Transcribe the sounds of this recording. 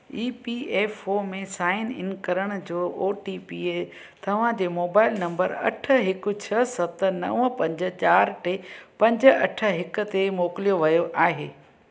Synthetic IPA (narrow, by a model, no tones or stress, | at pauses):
iːpieːfomẽsaːɪnɪ̰nkɐɾəɽ̃d͡ʑoːʔoːʈiːpiːe | t̪ɐʋ̤ãd͡ʑeːmoːbaːɪlnɐ̃mbəɾɐ̰ʈʰə̆ɦɪkʊ̆t͡ɕʰɐsɐt̪nɐ̰ʋə̃pɐ̃ɲd͡ʑə̆t͡ɕaːɾʈepɐ̃ɲd͡ʑə̆ɐʈʰə̆ɦɪkʊ̆t̪emoːkɪlijoʋɐjoʔaːɦeː